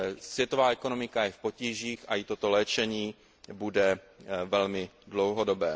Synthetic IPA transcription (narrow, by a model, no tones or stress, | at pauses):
svjɛt̪o̞vaːɛko̞nomɪkajɛfpo̞ciːʒiːxajɪt̪o̞t̪olɛːt͡ʃɛɲiː | budɛ | vɛlmɪdlowɦodo̞bɛː